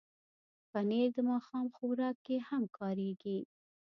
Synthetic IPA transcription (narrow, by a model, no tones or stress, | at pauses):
paned̪əmɑxɑmxowɾɑkːehamkʰɑɾeɡi